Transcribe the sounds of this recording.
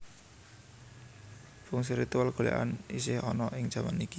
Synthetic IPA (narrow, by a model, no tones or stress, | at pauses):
fuŋs̬iɾit̪ualɡ̥o̤lɛ̰ʔa̰nis̬ɪhɔnɔʔɪŋ̥ʒ̥ä̤maniki